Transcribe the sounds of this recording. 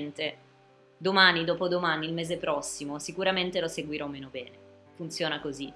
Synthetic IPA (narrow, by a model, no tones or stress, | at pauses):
nt̪e | d̪omaːnid̪oːpod̪omaːniːlmeːzepɾɔsːimosikuɾament̪eloseɡwiɾɔmeːnobɛːne | funt̪sjoːnakozi